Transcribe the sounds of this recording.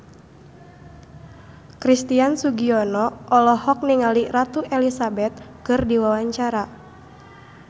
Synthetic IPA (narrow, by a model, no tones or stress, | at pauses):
kɾist̪iansuɡiɔnɔɔlɔhɔk̚niŋalirat̪uʔɛlisabɛt̪̚ | kɨrdiwawaɲt͡ʃaɾa